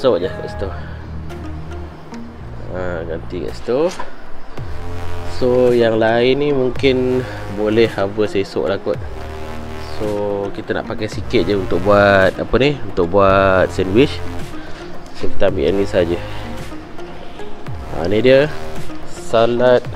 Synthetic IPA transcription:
soʔɲahɡa̰ʔst̪o | aɡant̪ika̰ʔst̪o | sojaŋlaɪnːimuŋkɪnbolɛhabəsajiso̰ʔlakʊt̪̚ | sokit̪əna̰ʔpakajsikɪt̪̚d͡ʒəunt̪ʊk̚buat̪̚apəniunt̪ʊk̚buat̪̚sɛnwit͡ʃ | sokit̪ambḭʔɛ̰nisaad͡ʒə | a̰nidiə | salat̪̚

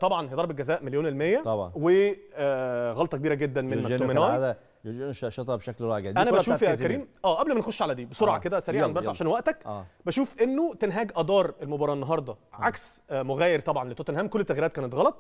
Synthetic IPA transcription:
t̪ˤɑbʕɑnhejd̪ˤɑɾˤbelɡæzæːʔmeljoːnelmejːæt̪ɑbʕɑnwe | ɣɑlt̪ˤɑkebiːɾæɡed̪ːænmemæmenæːad̪æ | ʃʃet̪ˤɑbʃæklɾˤɑʕɡæʔænæbæʃuːfjækæɾiːmʔæːʔæblmænexoʃːʕalæd̪iːbesˤoɾˤʕɑ̰ked̪æsæɾiːʕanbæɾsʕaaʃæːnwæʔt̪ækʔbæʃuːfʔenːot̪enɦæːɡʔɑd̪ˤɑːɾˤelmobɑɾˤɑːʔenːɑɦɑɾˤd̪ˤɑʕaks | moɣæːjeɾt̪ˤɑbʕɑnlet̪ːˤot̪enhæːmkolːet̪ːæɣjiɾæːt̪̚kæːnet̪ɣɑlɑt̪ˤ

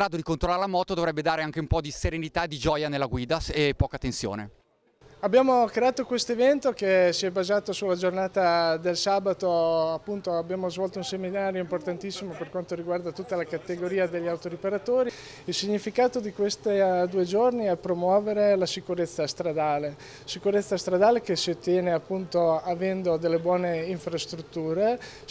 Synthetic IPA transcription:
ɾaːd̪od̪ikont̪ɾolaːɾelamɔːt̪od̪ovɾɛbːed̪aːɾeaŋk̟eumpɔd̪iseɾenit̪aed̪id͡ʒɔːjanelːaɡwiːd̪aepɔːkat̪ensjo̰ːnḛ | abːjaːmokɾeaːt̪okwest̪oevɛnt̪okesiɛbazaːt̪osulad͡ʒornaːt̪ad̪elsaːbat̪oapːunt̪oabjaːmozvɔlt̪ounseminaːɾjoimport̪ant̪isːimoperkwant̪oɾiɡward̪at̪ut̪ːalakat̪eɡoɾiːad̪eʎːawt̪oɾipeɾat̪oːɾi | ilsiɲːifikaːt̪od̪ikwest̪id̪uːed͡ʒorniɛpɾomwɔːveɾelasikuɾet̪sːast̪ɾad̪aːle | sikuɾet̪sːast̪ɾad̪aːlek̟esiot̪ːjɛːneapːunt̪oavɛnd̪od̪elːebwɔːneiɱfɾast̪ɾut̪ːuːɾe

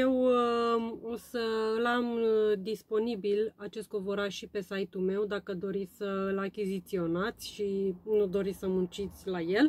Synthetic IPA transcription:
je̞w | o̞səlamd̪ispo̞nibilat͡ʃe̞st̪̚kovo̞ɾaʃipe̞sajt̪ume̞wd̪akəd̪o̞ɾit̪sʲsəɨlakʲizit̪sio̞nat̪sʲʃinud̪o̞ɾit̪ʲsəmunt͡ʃit̪sʲlaje̞l

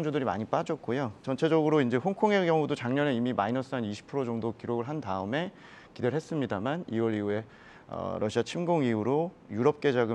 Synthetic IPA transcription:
ŋd͡ʑodɯɾima̰ɲip͈ad͡ʑʌt̚k͈ojot͡ɕʌnt͡ɕʰe̞d͡ʑʌɡɯɾoind͡ʑe̞ɸoŋkʰoŋe̞ɡjʌŋudot͡ɕaŋɲʌnɯimimainʌs͈ʰɯaniɕʰi̥pʰɯɾod͡ʑʌŋdokiɾoɡɯɭɦandaɯme̞ | kideɾɭɦes͈ɯmɲidamaniwʌɾiue̞ | ʌ̰ɾʌɕʰiat͡ɕʰimɡoŋiuɾo | juɾʌp̚k͈e̞d͡ʑaɡɯ

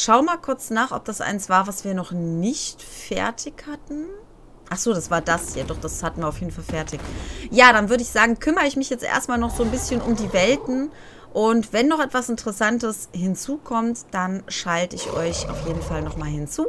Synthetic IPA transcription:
ʃaʊmaːlkʰʊɐt͡snaːχʔɔ̰p̚d̥asʔa̰ɪnsv̥aːɐvasv̥iːɐnɔχnɪçtfɛ̰ɐtʰɪçhatn̩ | ʔaχz̥oːdasv̥aːɐdashjaːdɔχd̥ashatn̩viːɐaʊfjeːdn̩falfɛɐtʰɪçjaːɾanvʏɐɾəɪçz̥aːɡŋ̩kʰʏmɐɪçmɪçjɛt͡stʔḛːɐstmaːlnɔχz̥oːnbɪsçənʊ̰mdiːvɛltn̩ | ʔʊntv̥ɛnːɔχʔɛtv̥asɪntəʁɛsantəshɪnt͡suːkʰɔmtd̥anʃaltəɪçʔɔ̰ʏçʔa̰ʊfjeːdn̩falnɔχmaːlhɪnt͡suː

